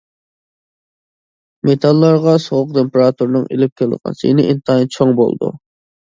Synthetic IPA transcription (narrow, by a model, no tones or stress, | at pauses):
met̪ʰɑlˠːɑɾʁɑsoʁʊq̚t̪ʰempeɾɑt̪ʰuɾnɨŋelɪp̚kʲʰeld̪əʁɑ̰nsjḛnɪʔint̪ʰɑint͡ʃʰoŋbo̰lˠd̪ṵ